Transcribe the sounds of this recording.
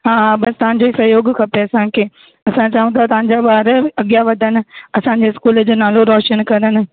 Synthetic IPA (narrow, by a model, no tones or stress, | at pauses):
ɦãːbɐst̪ɐʋãn̆d͡ʑoːisɐɦjoːɡkʰɐpeɐsãkʰeː | ɐsãt͡ɕaːʋũt̪ʰat̪ɐɦãɲd͡ʑaɓaːɾɐɠijaʋɐd̪ʱənɪ̆ɐsãɲ̆d͡ʑeɪskuːld͡ʑoːnaːloɾɔːʃənkɐ̃ɾənɪ̆